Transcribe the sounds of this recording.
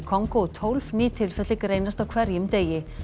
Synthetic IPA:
kʰɔŋkot̪ʰɔwlvniːt̪ʰɪlfɛt̪lɪkɾeːjnast̪awkʰvɛɾjʏmt̪eːjɪ

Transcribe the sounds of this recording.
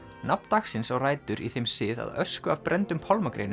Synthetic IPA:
nap̚nt̪axsɪnsaɣraːjt̪ʏɾiθejmsɪːða̰ðœ̰skʏavpɾʔɛnt̪ʏmpʰɔlmakɾejn

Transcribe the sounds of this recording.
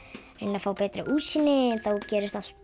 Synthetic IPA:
ɾɛnːafawpɛːt̪ɾɪ̰ʔuːsinːɪɛnθawcɛːɾɪst̪as

